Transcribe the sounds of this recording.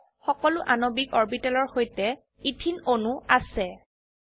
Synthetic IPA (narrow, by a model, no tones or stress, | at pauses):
xɔkɔlʊʔanobikɔɹbitɛlɔɹxojtɛ | itʰinonuasɛ